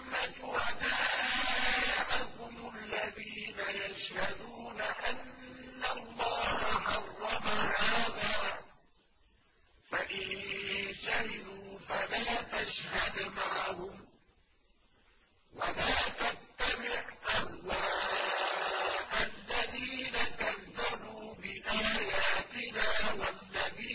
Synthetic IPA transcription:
mːad͡ʒʊɾanaː | jaʕahʊmʊalːaðiːnajaʃhad̪uːnaʔanːalˤːɑːhaħɑrˤːɑmahaːðaː | faʔɪnʃahɪd̪uːfalaːt̪aʃhad̪maʕhʊm | walaːt̪ast̪ːamɪʕʔahwaː | ʔalːaðiːnakaðːabuːbɪʔaːjaːt̪ɪnaːwalːaðiː

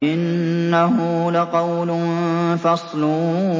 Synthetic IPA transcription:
ʔɪnːaɦʊlaqɑwlʊfɑsˤlʊː

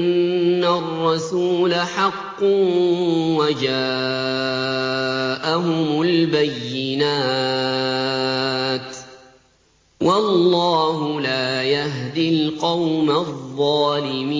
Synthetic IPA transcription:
nːarːɑsuːlaħɑqːʊ | wad͡ʒaː | ʔaɦʊmʊlbajːɪnaː | t̪ | wʔɑlːɑːɦʊlaːjaɦd̪ɪlqɑwmaðˤːɑːlɪmiː

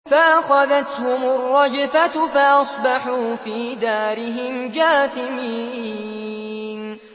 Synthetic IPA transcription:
faʔaxaðat̪hʊmʊrˤːɑd͡ʒɪfat̪faʔɑsˤbɑħuːfiːd̪aːɾɪɦɪmd͡ʒaːθɪmiː | n

